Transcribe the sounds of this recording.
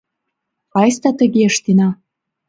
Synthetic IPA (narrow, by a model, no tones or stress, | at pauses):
kɑjst̪ɑt̪ə̆ɣeəʃt̪inɑ